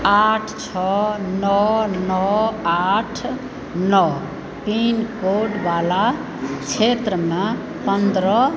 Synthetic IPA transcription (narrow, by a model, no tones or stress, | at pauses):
aʈʰt͡ʃʰɔnɔnɔaʈʰ | nɔ | t̪inkoɖbala | t͡ʃʰet̪ɾəme | pənd̪ɾʌ